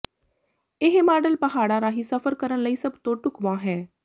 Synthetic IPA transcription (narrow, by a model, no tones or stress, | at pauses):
eɦmaːɖəlpɐɦaːɽaɾaːɦisɐfəɾkəɾəñləiːsɐbt̪õːʈʊkʋãːɦɛː